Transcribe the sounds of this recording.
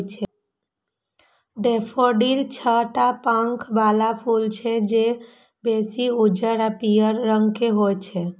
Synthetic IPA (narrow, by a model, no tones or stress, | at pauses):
t͡ʃʰe | ɖepʰoɖilt͡ʃʰəʈapãŋkʰbalapʰult͡ʃʰed͡ʒe | besiud͡ʒəɾapijəɾːəŋɡkeɦojt͡ʃʰe